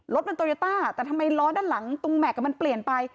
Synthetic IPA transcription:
lo˦˥t̪̚pa˧nt̪oː˧ɾi˧t̪aː˥˩t̪ɛː˨˩t̪ʰa˧mːa˧jlɔː˦˥ndaː˥˩nla˩˦ŋt̪u˧ŋmɛ˨˩ka˨˩ma˧npli˨˩ənpa˧j

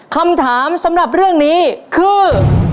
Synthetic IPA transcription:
kʰa˧mt̪ʰaː˩˦msa˩˦mɾa˨˩p̚ɾɯ˥˩əŋniː˦˥kʰɯː˧

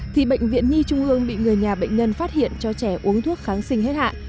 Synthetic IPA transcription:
t̪ʰi˨˩ɓə̰˧˨jŋ̟vḭ˧˨ənɲi˧t͡ɕʊ˧ŋ͡mʔɨ˧əŋɓḭ˧˨ŋɨ˨˩əjɲaː˨˩ɓə̰˧˨jŋ̟ɲə˧nfaː˦˥t̚hḭ˧˨ənt͡ɕɔ˧t͡ɕɛ˧˩ʔu˨˦əŋt̪ʰu˦˥ək̚xaː˨˦nsï˧ŋ̟ɦe˦˥t̚ha̰ː˧˨n

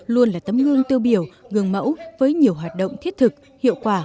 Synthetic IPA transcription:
lu˧ənlaː˨˩t̪ə˨˦mɣɨ˧əŋt̪i˧wɓi˧˩əwɣɨ˨˩əŋmə̰˧˥wvəː˨˦jɲi˨˩əwɦwaː˨˩t̚ɗo̰˧˨wŋ͡mt̪ʰi˦˥ət̚t̪ʰɨ˨˩k̚ | hḭ˧˨əwkwaː˧˩

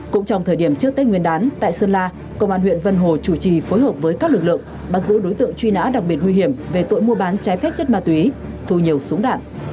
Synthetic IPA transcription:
kʊ̰˧˥ŋ͡mt͡ɕɔ˧wŋ͡mt̪ʰəː˧˩jɗi˧˩əmt͡ɕɨ˦˥ək̚t̪e˦˥ŋwi˧ənɗaː˨˦nt̪a̰ː˧˨jsəː˧nlaː˧ | kə̰˧˨wŋ͡mʔaː˧nɦwḭ˧˨ənvə˧nɦo˨˩t͡ɕu˧˩t͡ɕi˨˩foː˨˦jɦəː˨˩p̚vəː˨˦jka˦˥k̚lɨ˨˩k̚lɨ̰˧˨əŋ | ɓa˨˧˩t̚zɨ̰˧˥ɗo˨˦jt̪ɨ̰˧˨əŋt͡ɕwi˧na̰ː˧˥ɗa˨˩k̚ɓi˨˩ət̚ŋwi˧ɦi˧˩əmve˨˩t̪o̰˧˨jmu˧ɓaː˨˦nt͡ɕaː˨˦jfɛ˦˥p̚t͡ɕə˦˥t̚maː˧˩t̪wi˨˦ | t̪ʰu˧ɲi˨˩əwsu˨˦əŋɗa̰ː˧˨ʔ

